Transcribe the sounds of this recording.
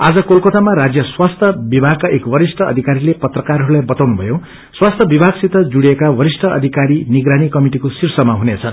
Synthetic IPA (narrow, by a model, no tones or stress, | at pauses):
ad͡zʌkolkot̪amaɾad͡zjʌswast̪ʰʌbibʱaɡ̚kaʔekwʌɾisʈʰʌʌ̰d̪ʱikaɾilepʌt̪rʌkarɦʌɾulajbʌt̪awnubʱʌjõ | swast̪ʰʌbibʱaɡsit̪ʌd͡zuɽiekawʌɾisʈʰʌʌ̰d̪ʱikaɾiniɡɾanikʌmiʈikosirsʌmaɦunet͡sʰʌn